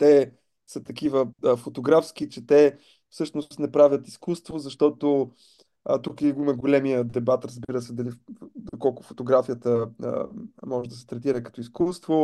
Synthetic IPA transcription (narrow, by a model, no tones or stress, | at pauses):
t̪ɛ | sət̪ɐkivəəfot̪oɡɾafsk̟it͡ʃɛt̪ɛ | fsɤʃnost̪nɛpɾavʲjət̪iskust̪vozɐʃt̪ɔt̪o | ət̪ukiɡʊimɐɡolɛmijəd̪ɛbat̪ɾɐzbiɾəsɛd̪ɐlid̪okɔlˠkʊ̥fot̪oɡɾafijət̪əə̰mɔʒɛd̪ɐsɛ̥t̪ɾɛt̪iɾəkɐ̥t̪ɔiskust̪vo